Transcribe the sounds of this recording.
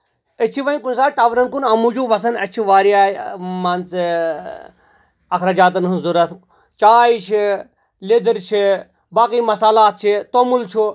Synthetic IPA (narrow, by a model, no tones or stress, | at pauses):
ət͡ʃʰiʋɐikunsaːʈaːʋɾɐnkunɐmud͡ʒʰuʋɐs̬ɐnɐ̰t͡ʃʰiʋaːɾijaːmɐnt͡s | ɐkɾad͡ʒaːt̪̬ɐnɦɐzuɾɐt̪ʰ | t͡ʃaːjt͡ʃʰi | led̪əɾt͡ʃʰi | baːkiːmɐsaːlaːt̪̚t͡ʃʰit̪omult͡ʃʰu